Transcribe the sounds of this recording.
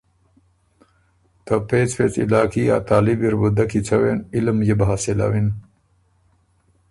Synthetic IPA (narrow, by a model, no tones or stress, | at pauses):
t̪ɐpet͡sfeːt͡sḭlaːkija̰ːt̪aːlibiɾbud̪akit͡sʰɐwenilmjebɦaːsila̰win